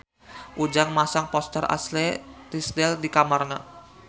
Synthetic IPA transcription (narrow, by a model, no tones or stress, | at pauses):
ʔud͡ʒaŋmasaŋpɔst̪ərʔa̰slɛt̪isdɛldikamarna